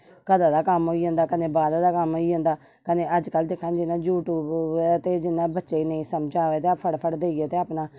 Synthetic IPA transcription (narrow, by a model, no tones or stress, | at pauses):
kəd̪aːd̪aːkəmɦoːiːɦõnd̪aːkənẽːbaːd̪aːd̪aːkəmɦoːiːõːnd̪aː | kənẽːəd͡ʒkəld̪eːkʰːãːnd͡ʒɪnãːjuːʈuːbt̪eːd͡ʒɪnːãːbətːʃeːneĩːsəmd͡ʒaːʋeːt̪eːpʰəɽpʰəɽd̪eːiɡeːt̪eːaːpnaː